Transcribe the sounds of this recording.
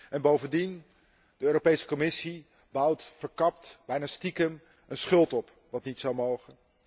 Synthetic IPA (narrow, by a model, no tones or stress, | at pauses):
ɛnbowvəndin | dəøːropejsə̥komɪsi | bʌwtfəɹkɑptb̥ɛjnastikəm | ʔənsχɵlˠtɔp | ʋɑtnitsɑwmowχən